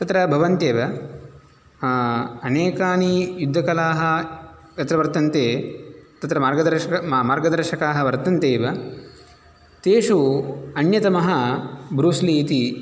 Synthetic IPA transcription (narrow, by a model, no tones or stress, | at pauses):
t̪ɐt̪ɾɐbʱɐʋɐnt̪eːʋɐ | ɐneːkaːnijud̪ʱːɐkɐlaːɦɐ̆ | jɐt̪ɾɐʋɐɾt̪ɐnt̪eːt̪ɐt̪ɾɐmaːɾɡɐd̪ɐɾɐmmaːɾɡɐd̪ɐɾʃɐkaːɦɐʋɐɾt̪ɐnt̪eːʋɐ | t̪eːʂuɐnjɐt̪ɐmɐɦɐ̆bɾuːsliːt̪i